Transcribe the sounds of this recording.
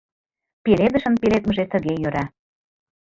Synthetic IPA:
peled̪ə̆ʃə̆npelet̪məʒet̪ə̆ɣejøɾɑ

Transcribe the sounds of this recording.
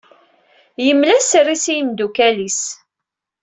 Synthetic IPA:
jəmːlæsrisijəmd̪ukælis

